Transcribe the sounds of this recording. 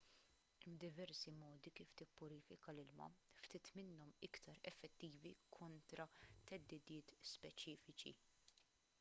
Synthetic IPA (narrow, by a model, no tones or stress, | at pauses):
bd̪ɪvɛɾsimɔːd̪ikiːft̪ɪpːʊɾiːfɪkɐlɪlmɐ̰ft̪ɪːt̪mɪnːɔmɪkt̪ʰɐɾɛfːɛt̪ːiːvikʰɔnt̪ɾɐt̪ɛd̪ːɪd̪ɪːt̪spɛt͡ʃiːfɪt͡ʃḭ